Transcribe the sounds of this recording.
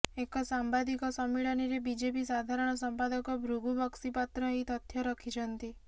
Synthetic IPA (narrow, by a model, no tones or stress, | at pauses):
ekɔsambad̪ikɔsɔmːiɭɔniɾebid͡ʒepisad̪ʱaɾɔɽ̃ɔsɔmpad̪ɔkɔbʱɾuɡubɔksipat̪ɾɔit̪ɔt̪ʰjɔɾɔkʰid͡ʒʰɔnt̪i